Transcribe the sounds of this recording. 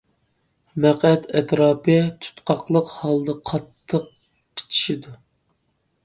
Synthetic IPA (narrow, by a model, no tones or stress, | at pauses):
mæqɛt̪ʰɛt̪ɾɑːpʰɨt̪ʰy̥t̪qʰɑqlˠəqhɑlˠd̪ɨqʰɑt̪ʰːəq̚ | qʰe̥t͡ʃʰi̥ʃid̪u